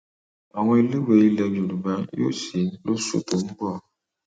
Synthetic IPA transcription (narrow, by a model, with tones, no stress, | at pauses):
a˨ŋʷɔ˦li˦we˨i˦le˨bo˨lu˨ba˦ŋjo̰˦si˨˦n˦lo˦sṵ˦to˨m̩˦bɔ˦˨